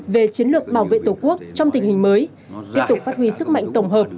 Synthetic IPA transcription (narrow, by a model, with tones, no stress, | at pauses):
ve˨˩t͡ɕi˨˦ənlɨ˨˩ək̚ɓaː˧˩wvḛ˧˨t̪o˧˩ku˦˥ək̚t͡ɕɔ˧wŋ͡mt̪ï˨˩ŋ̟hi˨˩ŋ̟məː˨˦j | t̪i˦˥əp̚t̪ʊ˨˩k͡p̚faː˦˥t̚hwi˧sɨ˦˥k̚ma̰˧˨jŋ̟t̪ə˧˩wŋ͡mɦəː˨˩p̚